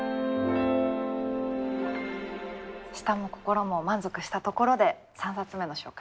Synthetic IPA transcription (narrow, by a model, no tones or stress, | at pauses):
ɕi̥t̪amo̞ko̞̥ko̞ɾo̞mo̞mãnzo̞kɯ̟ɕi̥t̪at̪o̞ko̞ɾo̞d̪e̞ | sãɰ̃sat͡sɨme̞no̞ɕo̞̰ːkḁ